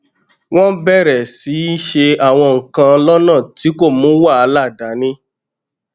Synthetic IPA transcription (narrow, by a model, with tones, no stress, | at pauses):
w̃ɔ̃˦bɛ˦˨ɾɛ˨si˨˦ʃe˧a˨w̃ɔ̃˧ŋ̩˨kã˧lɔ˦nãː˦˨ti˨˦ko˦˨mũ˨˦wa˦˨a˧˦la˦˨da˨˦nĩ˦